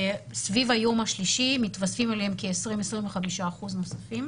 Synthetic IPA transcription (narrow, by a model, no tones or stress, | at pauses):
svivajo̞maʃliʃimit̪vasfimaleemkeesʁimesʁimveχamiʃaːχuzno̞safim